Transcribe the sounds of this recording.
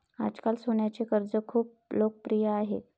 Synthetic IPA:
a̰d͡zkalsoɳjat͡sekəɾd͡zəkʰuːp̚ | lok̚pɾijəaɦe

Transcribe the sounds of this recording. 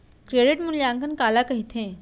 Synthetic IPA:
kɾeːɖɪʈmʊnjaːŋkənkaːlakɐɦit̪ʰẽː

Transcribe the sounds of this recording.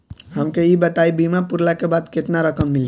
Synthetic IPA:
ɦəmkeibət̪aibimapuɾlakebad̪ket̪naɾəkəmːili

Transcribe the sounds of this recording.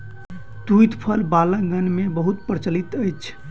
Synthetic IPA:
t̪ujt̪pʰəlbalãɡənmebəɦut̪̚pɾt͡ʃəlit̪əjt͡ʃʰ

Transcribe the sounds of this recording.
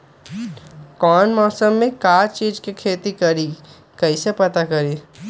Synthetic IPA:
kɔːnmɔːsəmːẽkaːt͡ʃiːd͡ʒkekʰeːt̪ikɐɾi | kɐisepɐt̪akɐɾiː

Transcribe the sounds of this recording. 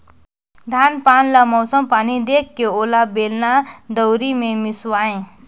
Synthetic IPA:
d̪ʱanpanlʌmʌwsʌmpanid̪ekːeolabelnad̪ʌwɾimemisuaẽ

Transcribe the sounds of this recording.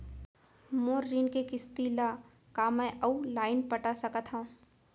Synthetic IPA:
moːɾːiːnkekɪst̪ila | kamɛ̃ʔəulaːɪnpəʈasəkət̪ɦaũ

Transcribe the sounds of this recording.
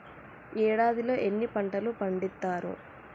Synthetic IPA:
ɛːɽaːd̪ilo̞ːʔe̞nːipɐɳʈɐlupɐɳɖit̪ːaːɾṵ

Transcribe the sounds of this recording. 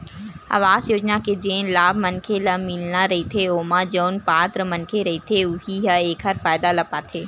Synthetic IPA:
a̰ːʋaːzjoːd͡ʒnaked͡ʒẽːnlaːbʱmɐnkʰelɐmɪlnaɾɐɦit̪ʰeoːmad͡ʒoːnpaːt̪ɾəmɐnkʰeɾɐɦit̪ʰeʊɦiɦəeːkʰɦəɾfaːɪd̪alɐpaːt̪ʰeː

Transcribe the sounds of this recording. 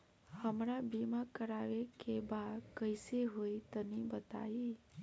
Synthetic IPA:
həmɾabimãkəɾaʋekebakəjseɦoit̪ənibət̪a̰i

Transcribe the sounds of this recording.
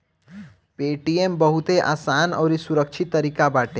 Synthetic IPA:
peʈiembəɦut̪eʔa̰ːsaːnɔ̰ʊɾisuɾək̚t͡ʃʰit̪ːəɾikabaːʈe

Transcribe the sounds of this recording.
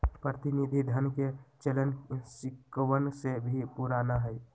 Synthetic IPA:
pɾət̪inid̪ʱid̪ʱənket͡ʃələnsɪkwənsebʱipuɾaːnaɦɛj

